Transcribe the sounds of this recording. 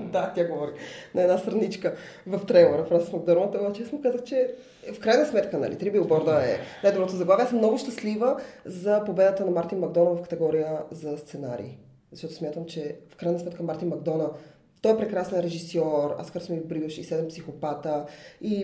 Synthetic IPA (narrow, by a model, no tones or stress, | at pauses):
d̪at̪ʲjaɡovɔɾinɐɛnast̪ɾɐnit͡ʃkə | vɐft̪ɾɛɡoɾəfɾazəsmɐɡd̪ɔɾvət̪ɔvɛt͡ʃɛasmʊkazəxt͡ʃɛ | fkɾajnəsmɛt̪kənɐ̰lḭt̪ɾibibɔɾd̪əɛ̰najd̪obɾɔt̪ozɐɡlˠaviɛasmnɔɡʊʃt̪əslivəzɐpobɛd̪ət̪ənɐmaɾt̪inmɐɡd̪ɔnəvɐfkɐt̪ɛɡɔɾijəzɐst̪sɛnaɾḭː | zɐʃt̪ɔt̪ʊsmʲjat̪əmt͡ʃɛfkɾajnəsmɛt̪kəmaɾt̪inmɐɡ̚d̪ɔnə | t̪ɔɛpɾɛkɾasnɛnɾɛʒisɔɾa̰skəɾsmibɾjuʃisɛd̪ɛmpsixopat̪əi